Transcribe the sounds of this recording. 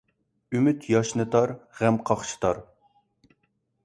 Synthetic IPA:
ymyt̪ʰjɑʃnɨt̪ʰɑɾʁɛmqʰɑχʃɨ̥t̪ʰɑɾ

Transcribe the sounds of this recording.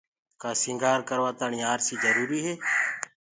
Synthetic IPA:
kaːsɪ̃ːŋɡaːɾkəɾʋaːt̪aːɳiːaːɾsiːzəɾuːɾiːɦeː

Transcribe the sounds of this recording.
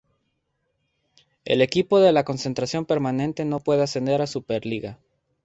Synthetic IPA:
e̞̰le̞kipo̞ðe̞lako̞nsent̪ɾasjo̞mpe̞ɾmanẽ̞nt̪e̞no̞pwe̞ðease̞nd̪e̞ɾasupeɾliɣa

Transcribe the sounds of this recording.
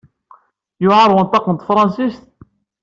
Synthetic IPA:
jʊʕɑɾˤwənt̪ˤɑqənt̪fɾˤɑnsist̪̚

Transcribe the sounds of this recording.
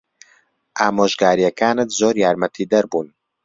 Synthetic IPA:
ʔaːmoːʒɡaːɾijɐkaːnɨt̪zoːɾjaːɾmɐt̪ʰiːd̪ɐɾbuːn

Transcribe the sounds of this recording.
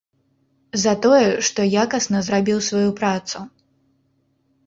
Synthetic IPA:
zɐt̪ɔjɛʂt̪ɔjakɐsnɐzɾabʲiwsvajupɾat̪su

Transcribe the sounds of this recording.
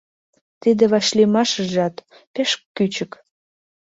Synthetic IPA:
t̪id̪eβɑʃlimɑʃəʒɑt̪ | peʃkːyt͡ɕək

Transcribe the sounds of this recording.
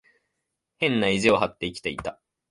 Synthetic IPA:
hẽ̞nːaizio̞hat̪ːe̞ikʲi̥t̪e̞it̪a

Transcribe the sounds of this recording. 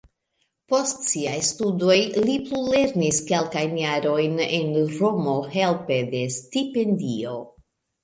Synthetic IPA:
po̞stsiajstudo̞jliplule̞ɾniske̞lkajnjaɾo̞jnḛnɾomo̞he̞lpe̞de̞stipe̞ndio̞

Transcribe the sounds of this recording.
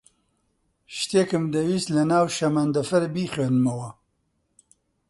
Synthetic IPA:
ʃt̪eːkɨmd̪ɐwiːslɐnaːwʃɐmɐnd̪ɐfɐɾbiːxenmɐwɐ

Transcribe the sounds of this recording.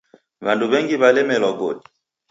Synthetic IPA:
βanduβɛŋɡiβalɛmɛlɔɡodi̥

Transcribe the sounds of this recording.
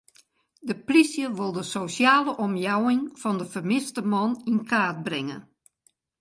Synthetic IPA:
dəprisjəʋolˠdəsosjaːləʔɔmjawɪŋfɔndəfərmɪstəmɔninkʰaːt̚brɪŋə̰

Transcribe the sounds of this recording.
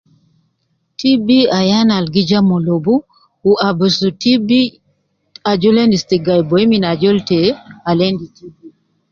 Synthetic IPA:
tibiajanalɡid͡ʒamɔlobu | uʔabusutibi | ad͡ʒɔlendistiɡajbɔminad͡ʒɔltɛalenditibi

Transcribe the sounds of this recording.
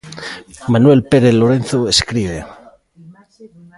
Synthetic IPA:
manwe̞lpeɾeθloɾenθoeskɾiβ̞e

